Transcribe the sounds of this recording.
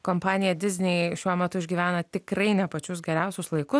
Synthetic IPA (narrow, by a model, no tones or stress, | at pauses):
koːmpɑːnʲɪjɛd̪ʲɪzʲnʲɛɪʃʲuɔmʲɛt̪ʊɪʒʲɡʲiːʋʲæːnɐt̪ʲɪkrɐɪnʲɛpɐt͡ʃʲʊsɡʲɛɾʲɛʊsʲʊslˠɐɪkʊ